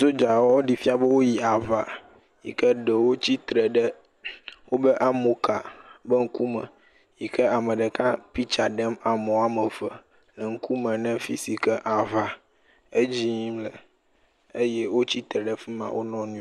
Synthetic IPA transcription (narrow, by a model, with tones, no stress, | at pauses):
zo˦d͡ʒa˨wwo˦ɖi˨fi˦a˦bɛ˦wo˦ji˨a˨va˨ | jḭ˨kɛ˦ɖɛ˨wo˦t͡ɕi˦t̪ɾɛ˨ɖɛ˦ | wo˦bɛ˦ʔa˦mo˨ka˨bɛ˦ŋ̩˦ku˦mɛ̰̃˨ | ji˨kɛ˦a˨mɛ˨ɖɛ˨kã˦pi˦t͡ʃa˨ɖɛ˦ma˨mɔ̃˨a˦mɛ˨və˨ | lɛ˨ŋ̩˦ku˦mɛ̃˨nɛ̃˦fi˨si˨kɛ˦ʔa˨va˨ | e˦d͡ʑi˦mlɛ˨ | e˦jɛ˦wo˦t͡ɕi˦t̪ɾɛ˨ɖɛ˦fi˦mã̰˨wʔo˦nɔ̃˦nũ˦